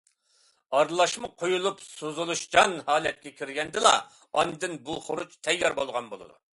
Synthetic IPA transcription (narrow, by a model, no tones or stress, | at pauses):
ɑɾlˠɑʃmɨqʰojulˠupsozulˠuʃd͡ʒɑnhɑːlɛt̪̚kʲɛkʲʰiɾɡʲɛnd̪ɪlˠɑ̰ | ɑnd̪ɨnbulˠχoɾut͡ʃt̪ʰɛjːɑɾbolˠʁɑnbolˠɨ̰d̪u